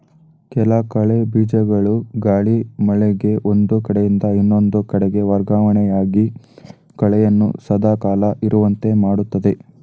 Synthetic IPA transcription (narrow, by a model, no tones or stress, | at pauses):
kɛlɐkɐɭebiːd͡ʒɐɡɐɭuɡaːɭimɐɭɛɡe̞ʔond̪ukɐɽejind̪ɐinːo̞nd̪ukɐɽɛɡe̞ʋɐɾɡaːʋɐɳɛjaːɡi | kɐɭɛjɐnːṵsɐd̪aːkaːlɐʔiɾuʋɐnt̪e̞maːɽut̪ːɐd̪e̞